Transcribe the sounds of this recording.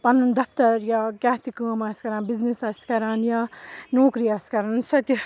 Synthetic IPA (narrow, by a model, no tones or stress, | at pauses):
pɐnːɐnd̪ɐpt̪ɐɾjakjaːt̪ʰikuːmɐskɐɾãːnbiznisɐskɐɾanjanoːkɾijaskɐɾansɐt̪i